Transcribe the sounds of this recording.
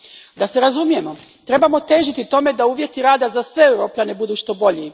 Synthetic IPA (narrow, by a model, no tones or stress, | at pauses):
d̪aseɾazumije̞mo̞ | t̪ɾe̞bamo̞t̪e̞ːʒit̪it̪o̞me̞d̪auːʋje̞t̪iɾaːd̪azasʋe̞eːwɾo̞ːpʎʲane̞bud̪uʃt̪o̞bo̞ʎi